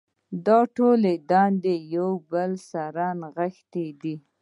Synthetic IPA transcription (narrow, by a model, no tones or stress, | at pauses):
d̪ɑʈoled̪ɑnd̪ejawbəlsaɾɑnɣəxt̪ed̪i